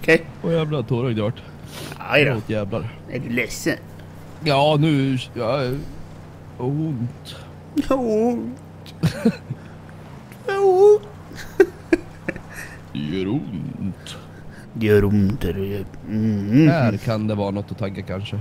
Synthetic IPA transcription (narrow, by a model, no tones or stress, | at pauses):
ɔkʰɛjajɛːvlat̪ʰoːɾaɡd̪aʈː | a̰loːt̪jɛːvlaɾ | ɛ̰dlɛsːən | jɑːnʉ̟ːjɑ | ʊnt̪ | ʊnt̪ | t̪ | jœɾʊnt̪ | d̪ɛjœɾʊnt̪ɛɾj̩ | hæɾkʰand̪ɛvɑːɾanɔt̪ːɔt̪ʰaɡːakʰanʂə